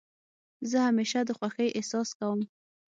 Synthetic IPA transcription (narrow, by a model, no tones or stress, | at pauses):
zəhameʃad̪əxwaxəjʔesɑskawəm